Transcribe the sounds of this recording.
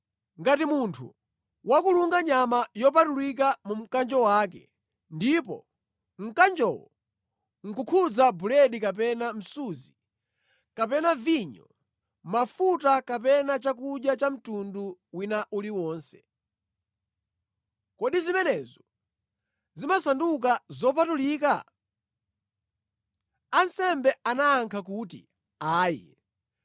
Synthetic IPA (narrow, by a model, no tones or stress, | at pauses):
ŋɡatimuntʰṵ | wakuluŋɡaɲamajɔp̬atulwik̬amum̩kand͡ʒɔwaːkɛ | ndipɔ̰ | ŋ̩kand͡ʒɔwɔ̰ | ŋ̩kukʰud͡zabulɛɗikap̬ɛnam̩suzi | kapɛnaviɲɔ̰ | mafutakapɛnat͡ʃak̬uɗjat͡ʃam̩tunduwinaʔuliwɔːnsɛ̥ | kɔɗizimɛnɛːzɔ | zimasanduk̬azɔp̬atuliːka | ansɛmbɛanaːŋkʰak̬uːtḭ | aːjɛ̰